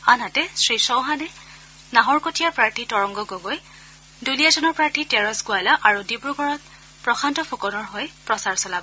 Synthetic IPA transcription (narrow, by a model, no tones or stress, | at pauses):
anɦatɛsɹisɔ̃wɦanɛ | naɦɔɹkotijaɹpɹaɹtʰitɔɹɔŋɡɔɡoɡoj | duliazɔnɔɹpɹaɹtʰitɛɹɔsɡʊajlaʔaɹudibuɡɔɹɔt̚ | pɹɔxʰantɔpʰukɔnɔɹɦojpɹɔsaɹsɔlabɔ